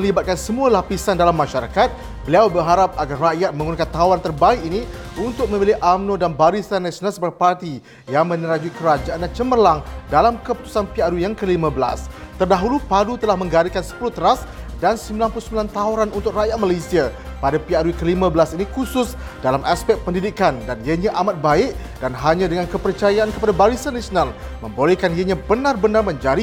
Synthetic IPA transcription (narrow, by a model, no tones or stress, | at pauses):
məlibat̪̚kansəmualapisandalamːaʃaɾakat̪̚ | bəliawbərɦaɾap̚aɡarːaʔjat̪̚məŋɡunakant̪aɦuɾant̪ərbaɪkini | unt̪ʊk̚mə̃milɪʔamnõdanbaɾisanasonasbərpart̪i | jaŋmə̃nəɾad͡ʒuikəɾad͡ʒaʔandant͡ʃəmərlaŋdalamkəpu̥t̪u̥sanpiadujaŋkəlimãbəla̰s | t̪ərdaɦulupadut̪əlahmə̃ŋɡaɾikansə̥pulut̪əɾasdansəmbilanpulusəmbilant̪aɦuɾanunt̪ʊk̚rajat̪̚malasiapadapiadukəlimãbəlasinikusʊs | dalamʔaspɛk̚pəndidikandanjaɲãʔamat̪̚baɪʔ | danɦaɲãdəŋankəpərt͡ʃajaʔankəpadabaɾisanːasionalmə̃mbolɛkaniaɲãbənarbənarmə̃ɲd͡ʒaɾi